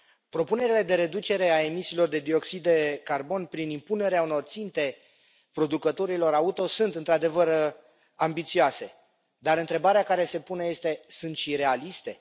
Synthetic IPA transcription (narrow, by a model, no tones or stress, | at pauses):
pɾo̞pune̞ɾile̞d̪e̞ɾe̞d̪ut͡ʃe̞ɾe̞ae̞misiːlo̞rd̪e̞d̪io̞ksid̪e̞karbo̞npɾinimpune̞ɾeauno̞rt̪sint̪e̞ | pɾo̞d̪ukət̪o̞ɾilo̞ɾaut̪o̞sunt̪ɨnt̪ɾad̪e̞vər | ambit̪sioase̞ | d̪aɾɨnt̪ɾe̞baɾeakaɾe̞se̞puneje̞st̪e̞sunt̪ʃiɾe̞alist̪e̞